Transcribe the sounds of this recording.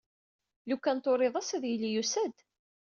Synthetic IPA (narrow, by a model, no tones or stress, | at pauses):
lukːænt̪ˤoɾˤɪðˤæsæðjilijusæd̪